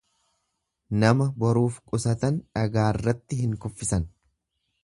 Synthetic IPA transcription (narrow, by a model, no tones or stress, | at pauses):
nɐmɐbɔɾuːfkʼʊsɐt̪ɐnᶑɐɡaːɪrːɐt̪ːɪɦɪŋkʊfːɪsɐn